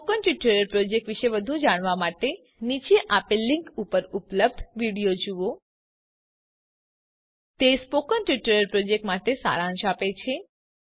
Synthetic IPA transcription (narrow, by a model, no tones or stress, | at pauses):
okənʈʋiʈəɾəɾpɾod͡ʒek̚ʈʋiʃeʋəd̪ʱũd͡ʒaɽ̃ʋamaʈe | nit͡ʃeʔapeliŋkupəɾupləb̚d̪ʱʋiɽijod͡ʒuo | t̪espokənʈʋiʈəɾəɾpɾod͡ʒek̚ʈmaʈesa̰ɾãʃapet͡ʃʰe